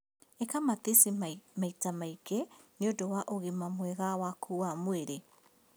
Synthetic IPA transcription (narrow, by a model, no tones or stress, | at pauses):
ekamat̪esemaitamaikɛneodɔwaʔoɣemamwɛɣawakʰuwamweɾe